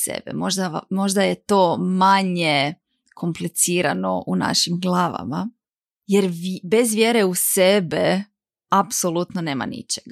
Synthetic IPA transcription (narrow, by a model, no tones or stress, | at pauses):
sḛbɛ̰moʒd̪aamo̞ʒd̪ajet̪o̞ːmaɲe | kʰo̞mplit̪siːɾano̰ʔuna̰ʃimɡlˠaːʋa̰ma | jeɾʋbezʋjeɾeusebe | apsolˠut̪none̞ːma̰nḭt͡ʃeɡa